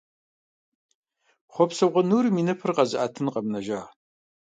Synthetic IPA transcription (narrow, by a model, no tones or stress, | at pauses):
χʷɔpsɐwʁʷɔnuːriminɐpʰɨrqɐzɨʔaːtʰɨnqɐmnɐʒaː